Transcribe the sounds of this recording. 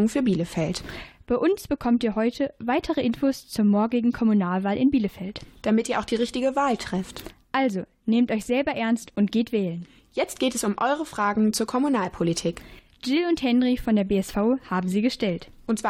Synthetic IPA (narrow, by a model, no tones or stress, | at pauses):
ŋfyːɐbiːləfɛltb̥aɪʔʊnsb̥əkʰɔmtiːɐɦɔʏtʰəvaɪtʰəʁəʔɪnfoːst͡suɐmɔɐɡɪɡŋ̩kʰɔmunaːlvaːlʔɪnbiːləfɛltd̥amɪtʔiːɐaʊxd̥iːʁɪçtɪɡəvaːltʁ̥ɛftʔalzo | neːmtʔɔʏçz̥ɛlbɐʔɛɐnstʔʊntɡ̥eːtv̥ɛːlən | jɛt͡st̚ɡ̥eːtɛsʊmʔɔʏʁ̞əfʁ̥aːɡŋ̩t͡suːɐkʰɔmunaːlpʰolitʰiːk | d͡ʒɪlʊnthɛnʁifɔndeːɐbeːɛsfaʊhaːbm̩ziːɡəʃtɛlt | ʔʊntt͡sv̥a